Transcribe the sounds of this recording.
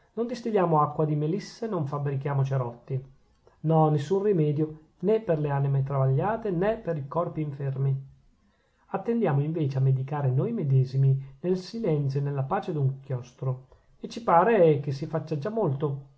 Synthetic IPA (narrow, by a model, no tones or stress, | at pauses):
nond̪ist̪iʎːaːmoakːwad̪imelisːenoɱfabɾik̟jaːmot͡ʃeɾɔt̪ːi | nɔnːesːunrimɛːd̪jo | nɛpːerleaːnimet̪ɾavaʎːaːt̪enepːeɾikɔrpiːɱfermi | at̪ːend̪jaːmoiɱveːt͡ʃeamːed̪ikaːɾenoːjmed̪ɛːziminelsilɛnt̪sjonelːapaːt͡ʃed̪uŋkjɔst̪ɾo | et͡ʃːipaːɾekesːifat͡ʃːad͡ʒamːolt̪o